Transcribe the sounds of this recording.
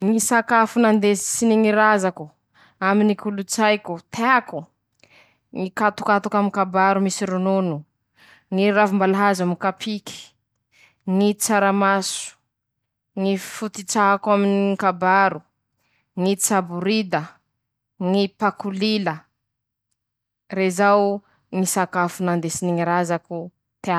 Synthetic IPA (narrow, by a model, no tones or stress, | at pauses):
ŋisakafunand̪et͡siniŋiɾazaku | aminikulut͡sajkut̪ʰeaku | ŋikat̪u̥kat̪ukamikabaɾumisiɾununu | ŋiɾavumbalaɦazamikapʰiki̥ | ŋit͡saɾamasu̥ | ŋifut̪it͡saɦakwaminikabaɾu | ŋit͡sabuɾid̪ə | ŋipakulilə | ɾezaw | ŋisakafunand̪esiniŋiɾazaku | t̪ea